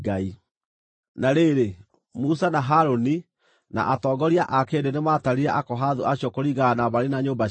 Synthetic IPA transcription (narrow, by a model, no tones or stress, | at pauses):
ɡai | naɾeɾe | musanaɦaɾoni | na̰ʔatɔːɡɔɾiaʔakeːdenemaːtaɾiɾɛʔakɔɦaðuaɕiɔkoɾiɣanaβaɾenaɲoːmba